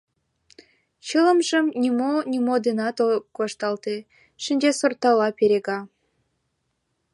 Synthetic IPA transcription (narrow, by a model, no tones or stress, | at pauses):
t͡ɕələmʒəmnʲimonʲimod̪enɑt̪okɑʃt̪ɑlt̪e | ʃinʲd͡ʑesort̪ɑlɑpeɾeɣɑ